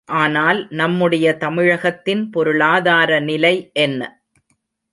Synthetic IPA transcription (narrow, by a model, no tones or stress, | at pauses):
ʔaːnaːlnɐmːɯɽɐjɐt̪ɐmɪɻɐɣɐt̪ːɪnpɔɾɯɭaːðaːɾɐnɪlɐɪʔɛnːɐ̰